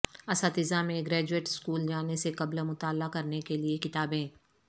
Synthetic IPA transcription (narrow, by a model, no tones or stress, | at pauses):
ɐsat̪ɪzamẽɡɾɛːd͡ʒueːʈɪ̥skuːld͡ʒaːnesekɐblamʊt̪aːlːakɐɾnekeliekɪt̪aːbẽː